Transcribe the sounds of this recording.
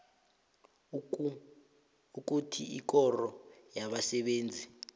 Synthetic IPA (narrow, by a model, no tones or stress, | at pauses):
uk̬utʰiik̬ɔrɔjaɓasɛɓeːnd͡zʱi